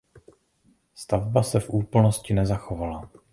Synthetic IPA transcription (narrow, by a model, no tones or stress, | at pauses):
st̪avbasɛfʔuːpl̩no̞scɪnɛzaxo̞vala